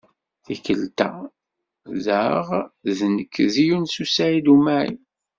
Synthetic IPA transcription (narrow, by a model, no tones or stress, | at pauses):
θikəlt̪æ̰ | ðəʁðnəkːðijunsusæid̪umæʕḭ